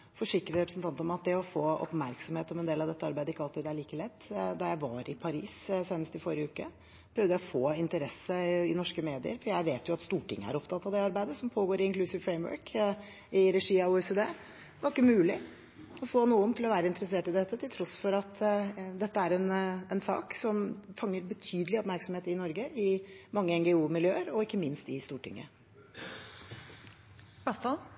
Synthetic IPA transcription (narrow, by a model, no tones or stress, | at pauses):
fɔʂɪkɾəɾɛpɾəsn̩t̪ʰɑnt̪ɔmɑt̪̚d̪ɛɔfoːɔ̰pmæɾksɔmheːt̪ɔmɛnd̪eːlɑʋd̪ɛt̪ːəɑɾbæɪəɪkːɑlt̪iːd̪æɭiːkəlɛt̪ːd̪ɑjæɪʋɑɾɪpʰɑɾḭːsseːnəst̪ɪfɔɾɪəʉːkə | pʰɾœvʋd̪əɛɔfoːɪnt̪əɾɛsəɪnɔʂkəmeːd̪ɪə̰ɾfɔjæɪʋeːt̪jʊɑt̪st̪uːʈɪ̰ŋːə̰æ̰ɾɔpt̪ʰɑt̪ːɑʋd̪ɛɑɾbæɪd̪əsɔmpʰoːɡoːɾɪɪnŋklʉsɪʋfɾɛɪmœ̰ːɹk | ɪɾɛʂiːɑuːɛsɛːd̪eː | ʋɔɾkːəmʉːlɪ | ɔfoːnuːənt̪ʰɪlɔʋæːɾəɪnt̪əɾəseːʈɪd̪ɛt̪ːət̪ʰɪlt̪ʰɾɔsfɔɾɑt̪ʰd̪ɛt̪ːəæɾɛnɛnsɑ̰ːksɔmfɑŋːəɾbət̪ʰyːd̪əlɪɔpmæɾksɔmheːt̪ɪnɔɾɡəʔɪmɑŋːəɛŋɡɛuːmɪljøːəɾɔɪkːəmɪnst̪ɪst̪uːʈɪ̰ŋːə̰ | bɛst̪ɑ